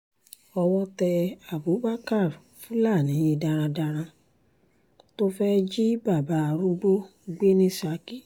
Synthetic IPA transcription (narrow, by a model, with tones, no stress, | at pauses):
ɔ˧wɔ˦tɛ˧a˨bo˨˦ba˦ka˦˨ɾfũ˦la˦˨nĩ˨˦je˧da˧ɾ̃ã˧da˧ɾ̃ã˧ | to˦fɛ˦d͡ʒi˦ba˦˨ba˨˦a˧˨ɾu˦ɡ͡bo˦ɡ͡be˦nĩ˦sa˨˦ki˦˨